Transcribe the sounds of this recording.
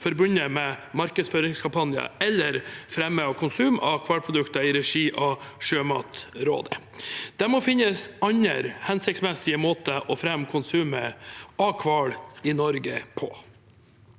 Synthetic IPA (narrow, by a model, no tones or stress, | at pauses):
fɔɾbʉnəmɛmɑɾkəsføːɾɪŋskʰɑmpɑnjə̰ɛlːəɾfɾɛmːəɑkʰʊnsʉːmɑkʰʋɑɽpʰɾʊd̪ʉkt̪ɑɪɾɛʂiːʔɑʂøːmɑ̰ːt̪ɾo̰ːd̪ə | d̪̥ɛmɔfɪnːəsɑɲə̰ɾhɛnsɪksmɛsɪəmoːt̪əʔɔfɾɛmːkʰʊnsʉːməɑkʰʋɑɭɪnɔɾɡəpʰɔ̰